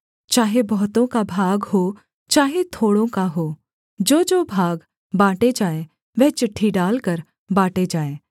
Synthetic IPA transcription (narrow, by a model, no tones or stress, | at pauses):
t͡ʃaːɦebɔɦt̪õkabʱaːɡɦoː | t͡ʃaːɦet̪ʰoːɽõkaɦoː | d͡ʒoːd͡ʒoːbʱaːɡ | baːʈed͡ʒaːe | ʋɛɦt͡ʃɪʈʰːiɖaːlkəɾ | baːʈed͡ʒaːeː